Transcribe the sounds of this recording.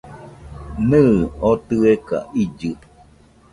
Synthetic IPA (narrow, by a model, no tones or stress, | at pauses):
nɨot̪ɨeka̰ʔid͡ʒɨ